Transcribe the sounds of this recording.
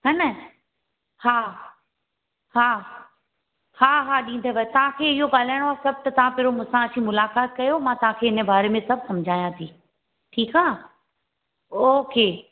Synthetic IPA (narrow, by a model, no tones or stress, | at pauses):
ɦɐnə | haː | haː | haːɦaːɗĩːn̆d̪ʱəʋɐt̪ɐʋ̤ãkʰeːɪɦoɠaːl̤aːɪɽ̃oaːsɐb̚ʱt̪ɐt̪ɐʋ̤ãpɪɾomʊ̃sãɐt͡ɕʰĩmʊlaːkaːt̪̚kɐjomãt̪ɐʋ̤ãkʰeːɪnəbaːɾemẽsɐb̚ʱsɐmd͡ʑʱaːjãt̪ʰiː | ʈʰiːkaː | oːkeː